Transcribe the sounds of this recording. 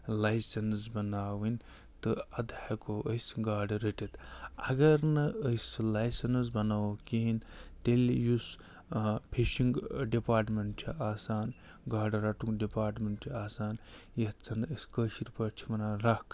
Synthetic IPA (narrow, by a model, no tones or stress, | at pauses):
lajsɐnsbɐnaːʋinʲ | t̪ɨɐd̪aekoʔəjsɡaːɖɾeʈet̪ɐɡɐɾnɐəslajsɐnsbɐnaːʋokiɦint̪elʲjus | pʰeʃiŋɡɖipaːɾʈmeɳʈt͡ʃʰiʔaːsaːn | ɡaːɖɾɐʈuŋɡɖipaːɾʈmʲeɳʈt͡ʃʰiaːsaːnjɐt͡sʰɐnəskəːʃiɾʲpɐɾt͡ʃʰimɐnaːnɾɐk